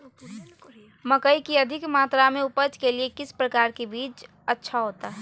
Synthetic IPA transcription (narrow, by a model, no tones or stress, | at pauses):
məkəikiəd̪ʱɪkmaːt̪ɾamẽʊpət͡ʃkeliekɪspɾəkaːɾkebiːt͡ʃ | ətːʃʰaɦoːt̪aɦɛː